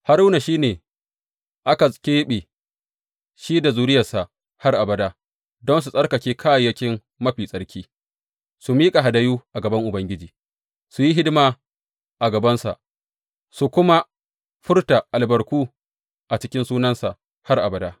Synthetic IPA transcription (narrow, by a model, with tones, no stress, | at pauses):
ha˦ɾu˦na˨ʃiː˦neː˨ | ʔa˦ka˨kʲeː˦ɓe˨ | ʃiː˦da˨zuː˨˦ɾɪ˦jɐ˨sa˨ʔ | ha˦rʔa˨bɐ˨daː˦ | dɔ˦ns̬u˨sʼɐ˦rkɐ˨kʲeː˦kʰaː˦jjɐ˦kʲɪ˦m | mɐ˦ɸiː˨sʼɐ˦ɽkʲiː˦ | su˨miː˦kʼa˨ɦa˨da˦juː˦ʔa˨ɡɐ˨bɐ˦ŋʔʊ˨bɐ˦ŋɡʲɪ˦d͡ʒiː˨ | su˨ji˦ɦɪ˦dɪ˦maː˨ | ʔa˨ɡɐ˨bɐ˦nsa̰˨ʔ | su˨kʷʊ˦ma˦ | ɸʊ˦rta˨ʔa˨lbɐ˨ɾkʷuː˦ | ʔa˨t͡ʃɪ˦kʲɪ˦nsuː˦nɐ˦nsa˨ʔ | ha˦rʔa˨bɐ˨daː˦